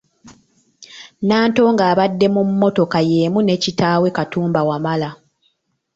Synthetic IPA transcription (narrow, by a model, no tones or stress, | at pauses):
naːnto̞ːŋɡaːβadːe̞mumːo̞to̞kajeːmune̞ːcitaːwe̞katuːmbawamala